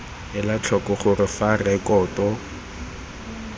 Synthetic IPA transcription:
ɪlat͡ɬʰɔkɔχʊrɪfarɛkɔːtɔ

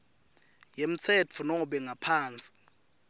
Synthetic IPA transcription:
jem̩t͡sʰɛt͡fʰunɔɓɛŋɡʱapʰaːnt͡sʼi̥

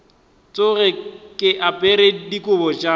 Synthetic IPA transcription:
t͡sʼʊɣɛkʼɪʔapʼɛɾedikʼʊbɔt͡ʃʼa

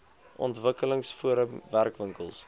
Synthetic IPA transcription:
ʔɔ̰ntvəkələŋsfuəɾəmværkvəŋkəlˠs

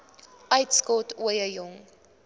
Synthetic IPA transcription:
ʔɐjtskɔtʰuəjəjɔŋ

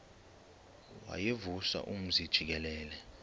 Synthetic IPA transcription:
wa̰jevusa̰ʔum̩zid̥ʒ̥ʱik̬ɛlɛːlɛ

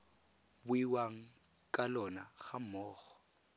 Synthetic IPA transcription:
bʊiwaŋ̩ | kʼalɔnaɣam̩mɔːɣɔ̥

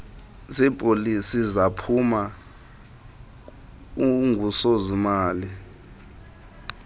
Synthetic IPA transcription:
sipʼolisizapʰuma | uŋʱusozimaːli

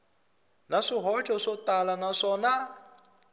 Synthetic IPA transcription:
naʂiɦɔt͡ʃʼɔʂɔt̪alanaʂɔːna

